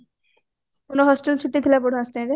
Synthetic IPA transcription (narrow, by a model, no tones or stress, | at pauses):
konoɦɔsʈelt͡ɕʰuʈːit̪ʰilapoɽ̤õasʈeɾe